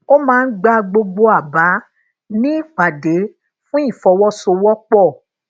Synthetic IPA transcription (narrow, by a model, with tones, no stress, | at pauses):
o˦mãː˦˧n̩˦ɡ͡ba˧ɡ͡bo˧ɡ͡bo˧a˨ba˨˦ | nĩ˦i˦˨k͡pa˨de˨˦ | fũ˦i˦˨fɔ˧wɔ˦so˧wɔ˦k͡pɔ˦˨